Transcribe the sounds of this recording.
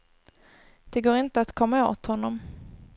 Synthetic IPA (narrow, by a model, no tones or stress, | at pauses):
d̪̥ɛɡoːɾɪnt̪əat̪kʰɔmːao̰ːt̪hɔnːɔm